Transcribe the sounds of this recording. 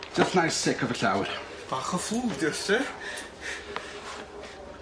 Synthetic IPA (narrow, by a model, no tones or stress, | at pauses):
d͡ʒasnajsɪkʰɔvəɬawr | vaχəfud̪jɔsɛ